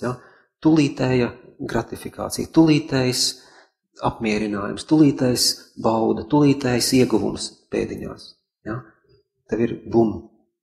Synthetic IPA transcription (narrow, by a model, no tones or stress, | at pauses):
ja | t̪ulˠiːt̪ɛjaɡɾat̪ifika̰ːt̪sḭjt̪ulˠiːt̪ɛjs | apmiɛɾinaːjṵmst̪ulˠiːt̪ajsbawd̪ɐt̪ulˠiːt̪ɛjsiɛɡuʋṵmspḛːd̪iɲo̰ːs | ja | t̪ɛʋiɾbumu